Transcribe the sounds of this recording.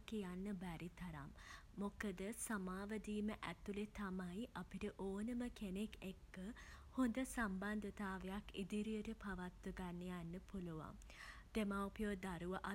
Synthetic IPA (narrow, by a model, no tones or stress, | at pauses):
kijanːəbæɾit̪ɐɾa̰mː | okəd̪əsamaːʋəd̪iːməʔæt̪ulet̪amaiʔapiʈəʔoːnəməkenekekːəhond̪əsamband̪ət̪aːʋejakid̪iɾijəʈəpaʋat̪ːuɡanːejanːəpuluʋa̰m | d̪̥emawpijod̪aɾuʋəʔa